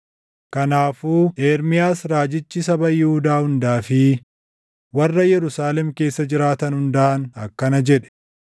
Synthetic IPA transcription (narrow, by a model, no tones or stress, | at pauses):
kɐnaːfuːʔeːɾmɪjaːsɾaːd͡ʒɪt͡ʃːɪsɐbɐjɪhʊd̪aːhʊnd̪aːfɪ | wɐrːɐjɛɾʊsaːlɛmke̞ːsːɐd͡ʒɪɾaːt̪ɐnhʊnd̪ɐʔɐnɐkːɐnɐd͡ʒɛᶑɛ̥